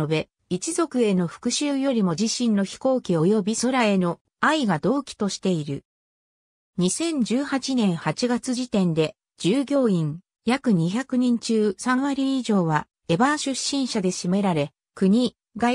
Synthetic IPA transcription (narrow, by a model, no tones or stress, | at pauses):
obe̞ | it͡ɕizo̞kɯ̟e̞no̞ɸɯ̟̥kɯ̟ɕɨːjo̞ɾʲimo̞d͡ʑiɕĩnːo̞çi̥ko̞ːkʲio̞jo̞bʲiso̞ɾae̞no̞ | aiɡad̪o̞ːkʲi̥t̪o̞ɕi̥t̪e̞iɾɯ̟̰ | ɲ̟isẽ̞ɲ̟d͡ʑɨːhat͡ɕinẽ̞ɰ̃hat͡ɕiɡat͡sɨʑit̪ẽ̞nd̪e̞ | d͡ʑ̥ɨːɡʲo̞ːĩŋ | jakɯ̟ɲ̟içakɯ̟ɲ̟ĩɲ̟t͡ɕɨːsãɰ̃βaɾʲiːʑo̞ːβa | e̞baɕɨɕːĩɰ̃ɕad̪e̞ɕime̞ɾaɾe̞ | kɯ̟ɲ̟i | ɡa